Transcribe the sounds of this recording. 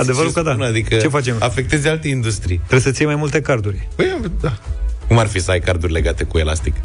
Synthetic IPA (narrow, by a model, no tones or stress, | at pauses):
ad̪e̞vəɾukod̪aad̪ikət͡ʃe̞fat͡ʃe̞mafe̞k̚t̪ezʲalt̪e̞ind̪ust̪ɾijt̪ɾebesət̪sijemajmult̪e̞kard̪urʲpəjad̪akumarfisəajkaɾd̪urʲle̞ɡat̪e̞kue̞la̰st̪ik